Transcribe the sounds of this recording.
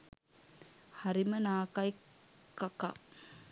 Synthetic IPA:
haɾimənaːkaj | kːaka̰

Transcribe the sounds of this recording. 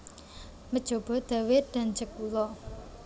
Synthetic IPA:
məd̥ʒ̥o̤b̥ɔ̤d̪̥a̤wɪd̪̥a̤nd͡ʒəkːulɔ

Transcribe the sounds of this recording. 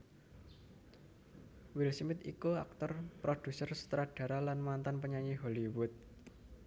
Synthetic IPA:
wilsmɪt̪ikuak̚t̪ɔrpɾod̥usərsə̥t̪ɾaɖ̥a̤ɾalanmant̪anpəɲaɲiɦoliwʊt̪̚

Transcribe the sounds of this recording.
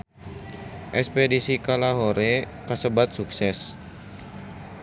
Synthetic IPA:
ʔɛspedisikalaɦoɾe | kasəbat̪̚suksɛs

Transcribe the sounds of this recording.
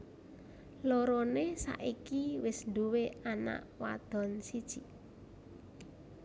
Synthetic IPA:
lɔɾɔnesa̰ʔikiwɪsnd̪uweana̰ʔwa̰d̪̥ɔ̤nsid̥ʒ̥i

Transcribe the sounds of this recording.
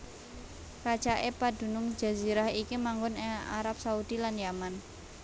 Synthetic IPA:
kḁt͡ʃaʔepad̥ṳnʊŋ̥d͡ʒ̥a̤ziɾahikimaŋɡʊnea̰ɾap̚saud̥ilanjaman

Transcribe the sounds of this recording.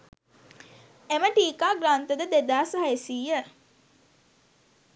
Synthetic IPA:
eməʈiːkaːɡɾaːnt̪əd̪əd̪ed̪aːsəɦaesiːjjə

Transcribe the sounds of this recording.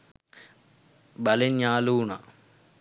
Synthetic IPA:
bɐlenaːluːɳa̰

